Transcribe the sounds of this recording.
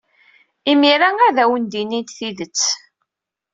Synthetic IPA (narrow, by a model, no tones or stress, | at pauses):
imiɾææðæwənd̪inint̪θiðət͡sː